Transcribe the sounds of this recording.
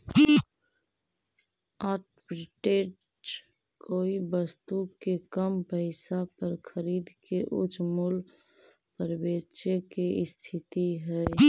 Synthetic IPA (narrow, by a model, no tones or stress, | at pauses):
aʈpɾiʈeʈ | koːibəst̪ukekəmpəɪsapəɾkʰəɾiːd̪keʔʊ̰t͡ʃʰmul | pəɾbet͡ʃekeɪst̪ʰɪt̪iɦɛ